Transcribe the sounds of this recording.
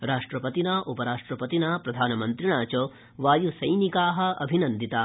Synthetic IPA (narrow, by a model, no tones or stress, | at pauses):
ɾaːʂʈɾɐpɐt̪inaːʔupɐɾaːʂʈɾɐpɐt̪inaːpɾɐd̪ʱaːnɐmɐnt̪ɾiɳaːt͡ʃoː | ʋaːjusɐjnikaːɦɐ̆ɐ̰bʱinɐnd̪ʱit̪aː